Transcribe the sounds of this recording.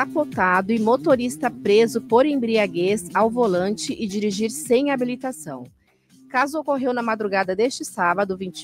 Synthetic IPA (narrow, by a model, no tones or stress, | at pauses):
apot̪ad̪ʊɪmot̪oɾist̪ɐpɾezʊpoɾẽj̃bɾiaɡezawvolɐ̃nt͡ʃɪʔɪd͡ʒiɾiʒiɾsẽj̃abilit̪asɐ̰̃w̃ | kazʊokoɦewnɐmad̪ɾuɡad̪ɐd̪est͡ʃɪsabɐd̪ʊvĩt͡ʃ